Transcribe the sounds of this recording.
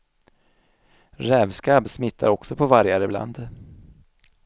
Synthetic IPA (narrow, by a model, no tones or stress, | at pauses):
ɾɛːvskabsmɪt̪ʰːa̰ɾɔksɔpʰɔvaɾjaɾɪbla̰nd̪